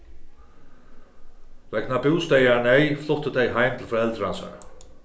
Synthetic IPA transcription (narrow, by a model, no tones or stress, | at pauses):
vɛknapɪwst̪ɛjanɛjflʊht̪əd̪ɛjɦajmt̪ʰɪlfɾaɛlt̪ɾansa̰ɹ